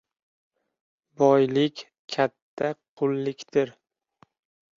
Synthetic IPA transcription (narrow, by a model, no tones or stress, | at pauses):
bɒjlɪkʲ | kʲʰat̪ʰːaqʰʊlˠːɪkʲt̪ɪɾ